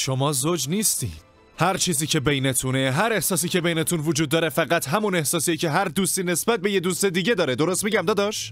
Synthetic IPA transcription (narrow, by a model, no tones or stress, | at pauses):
ʃo̞mɒːzod͡ʒniːst̪ḭːd̪̥ | hæɾt͡ʃʰiːziːcʰe̞be̞jne̞t̪ʰune̞ɦæɾe̞hsɒːsiːcʰe̞be̞jnet̪ʰunvod͡ʒuːd̪ːɒːɾe̞fæɣæt̪ʰɦæmune̞hsɒːsijecʰe̞ɦæɾd̪uːst̪iːne̞sbæt̪̚be̞je̞d̪uːse̞d̪iːɟe̞d̪ɒːɾed̪o̞ɾo̞st̪miɟæmd̪ɒːd̪ɒʃ